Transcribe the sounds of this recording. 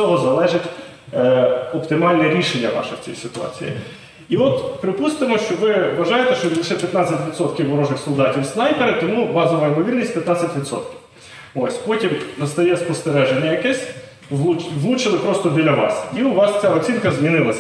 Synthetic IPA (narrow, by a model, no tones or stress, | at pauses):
ɔɦɔzɐlˠɛʒɪtʲ | ɔpt̪ɪmɑlʲnɛɾʲiʃenʲːɐʋɑ̰ʃɛwt͡sʲḭjsɪt̪ʊɑ̰t͡sʲḭjḭ | iɔt̪pɾɪpust̪ɪmɔʃt͡ʃɔʋɪʋɐʒɑjet̪ɛʃt͡ʃɔlˠɪʃɛpʲjɐt̪nɑt͡sʲɐtʲʋʲid̪sɔt̪kʲiwɦɔɾɔʒnɪxsɔlˠd̪ɑtʲiwsnɑjpeɾɪt̪ɔmuʋɑzɔʋɐɪmɔʋʲirnʲisʲtʲpʲjɐt̪nɑt͡sʲɐtʲʋʲid̪sɔ̰t̪kʲiw | osʲpɔtʲimnɐst̪ɐjɛspɔst̪eɾɛʒenʲɐjɐkɛsʲ | ʋlˠuʋlˠut͡ʃelˠɪpɾɔst̪ɔbʲilʲːɐʋɑ̰siʊʋɑst͡sʲaɔt͡sʲinkɐzmʲinɪlˠɐsʲ